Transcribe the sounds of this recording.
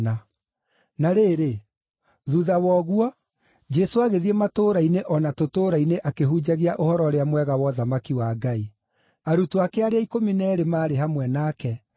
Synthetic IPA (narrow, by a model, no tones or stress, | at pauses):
na | naɾeːɾe | ðuðawɔɣwɔ | d͡ʒɛsoaɣeðiematoːɾaineʔɔnatotoːɾaineʔakeɦuːd͡ʑaɣiaʔohɔɾɔɾeamwɛɣawɔðamakiwaːɡai | aɾutuakeaɾeaikominɛɾemaːɾeɦamwɛnakɛ